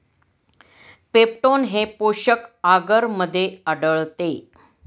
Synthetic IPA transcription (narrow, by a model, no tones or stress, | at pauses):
pep̚ʈonɦepoɕəkaɡəɾməd̪ʱːjeəɽəɭt̪e